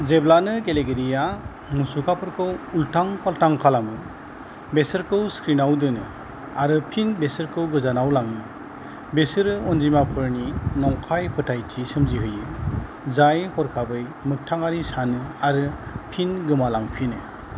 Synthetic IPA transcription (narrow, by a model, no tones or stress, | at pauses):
zeblanɯɡeleɡeɾija | musukʰapʰɯɾkʰɯwultʰaŋpʰaltaŋkʰalamɯ | besɯɾkʰɯwskɾinawdɯnɯ̰ | aɾɯpʰinbesɯɾkʰɯwɡɯzanawlaŋɯ | besɯɾɯɔnzimapʰɯɾninɔŋkʰajpʰɯtʰajtʰisɯmziɦɯjɯ | zajhɔɾkʰabɯjmɯk̚tʰaŋaɾisanɯaɾɯpʰinɡɯmalaŋpʰinɯ